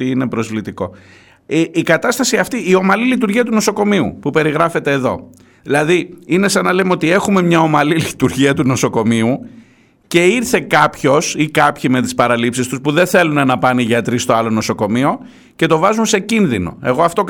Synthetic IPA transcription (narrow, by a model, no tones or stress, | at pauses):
iine̞pɾo̞zvlit̪iko̞̰ | ikɐt̪ɐst̪ɐsiɐft̪iːo̞mɐlilit̪uɾʝiɐt̪uno̞so̞ko̞miṵpupe̞ɾiɣɾɐfe̞t̪e̞ːðo̞̰ | ðilɐðiine̞sɐnɐlemeot̪ie̞xume̞mɲɐo̞mɐlilit̪uɾʝiɐt̪uno̞so̞ko̞miu | ce̞iɾθe̞kɐpço̞sikɐpçime̞t̪i̥spɐɾɐlipsist̪uspuðe̞nθe̞lunɐnɐpɐniʝɐt̪ɾist̪oɐlo̞no̞so̞ko̞mio̞ | ce̞t̪o̞vɐzunse̞cinðino̞̰e̞ɣo̞ɐft̪o̞k